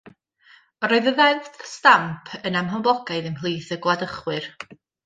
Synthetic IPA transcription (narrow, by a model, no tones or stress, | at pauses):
ɾɔɨðəðɛnθstampʰənamɦəmblˠɔɡaɨðənɦlˠiːθəɡlˠadəχwɨr